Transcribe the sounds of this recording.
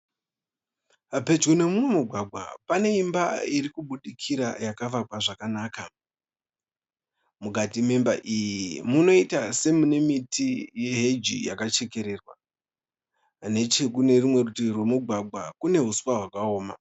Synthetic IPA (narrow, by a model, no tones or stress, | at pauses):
be̞d͡ʒɡune̞mumwemuɡʱwaɡʱa̰pane̞imbaiɾikuɓuɗikʰiɾa̰jakaʋakwaʐakanaːka | mukatimemba̰ʔijimuno̞itase̞mune̞mitʰije̞ɦed͡ʒḭja̰kat͡ʃe̞ke̞ɾe̞rwa | ne̞t͡ʃekune̞rimwe̞rutirwe̞muɡʱwaɡʱakune̞ɦusu̥waɦwakao̞ːma̰